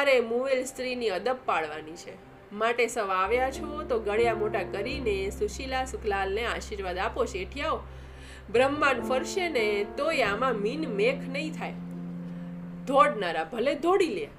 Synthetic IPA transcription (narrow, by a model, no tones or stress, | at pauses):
aɾemuʋelst̪ɾiniəd̪əppaɭʋanit͡ʃʰḛ | maʈesəʋaʋjat͡ʃʰot̪oɡəɭjamoʈakəɾinesuʃilasʊkʰlalneaʃiɾʋad̪apot͡ʃʰeʈʰjao | bɾəmːanfəɾʃenet̪oeamãminmekʰnəɦĩt̪ʰaj | d̪ʱoɽnaɾabʱəled̪ʱoɽilja